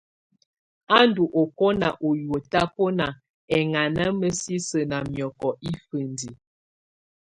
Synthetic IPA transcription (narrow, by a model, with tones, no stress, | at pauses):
a˦ndu˨ʔo˨kɔ˦na̰˨ʔo˨jwo˨ta˦po˦na˨ | ɛ˨ŋa˨na˦mə˦si˦sə˨na˨mjɔ˨kɔ˨ʔi˦fə˨ndi˨